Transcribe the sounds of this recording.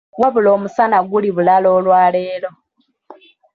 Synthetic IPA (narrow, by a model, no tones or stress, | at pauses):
ɡwaβulo̞ːmusanaɡuliβulalo̞ːlwaːleːlo̞